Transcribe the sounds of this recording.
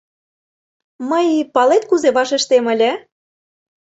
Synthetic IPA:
məjpɑlet̪̚kuzeβɑʃeʃt̪emə̆lʲĕ

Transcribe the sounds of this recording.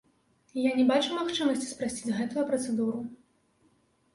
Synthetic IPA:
janʲɛbat͡ʂumaxt͡ʂɨmɐsʲt͡sʲi̥spɾasʲt͡sʲidd͡zʲɣɛt̪ujɐpɾɐt̪sɛd̪uɾu

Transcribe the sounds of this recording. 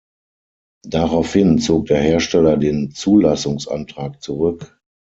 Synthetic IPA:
d̥aʁaʊfhɪnt͡soːk̚d̥eːɐheːɐʃtɛlɐdeːnt͡suːlasʊŋsʔa̰ntʁ̥aːk̚t͡suʁʏk

